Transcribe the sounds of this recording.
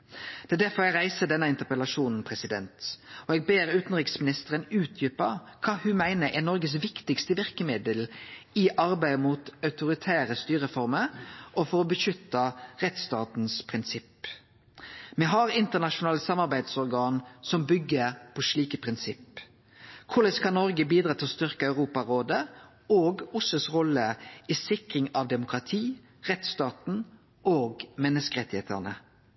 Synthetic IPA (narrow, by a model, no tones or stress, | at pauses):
d̪ɛæd̪æɾfɔɾɛɡɾæɪsəd̪ɛnəɪnt̪əʁpəlɑʃuːnn̩pʰʁɛsɪd̪ɛnt̪ɔɛɡ̚beːʁʉːt̪n̩ʁɪksmɪnɪst̪əʁənʉːt̪ʰjʏpɑkʰɑːhʉmæɪnəʔɛnɔɾɡəs̬ʋɪkt̪ɪkst̪əʋɪʁkəmɪd̪əlɪʔɑɾbæɪmuːt̪ɑʉt̪ʊɾɪt̪ʰæːɾəst̪yːɾəfɔɾməɾʔɔfɔɾɔbəʃʏt̪ːɑʁɛt̪st̪ɑːt̪n̩spʰʁɪnsɪp | mɛɦɑɾɪnt̪əʁnɑʃʊnɑːləsɑmːɑʁɾbæɪd̪sɔʁɡɑːnsɔmbʏɡːəɾpʰɔʂɭiːkəpʰʁɪnsɪp | kʰʊlɛskʰɑnnːɔɾɡəbiːd̪ɾɑːt̪ʰɪlɔst̪ʏʁkəɑʉʁuːpɑɾoːd̪ə | oːɡʊsəsʁɔlːəisɪkɾɪŋɑʋd̪ɛmʊkʁɑt̪ʰiː | ʁɛt̪st̪ɑːt̪n̩ | oːɡmɛnːəskəʁɛt̪ːɪhḛːt̪ə̰ʁnə